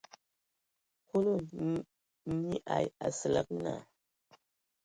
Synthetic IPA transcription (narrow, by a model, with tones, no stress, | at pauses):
hu˦lo˦˨ | ni˦ʔa˨ja˨sə˨la˦k̚na̰˨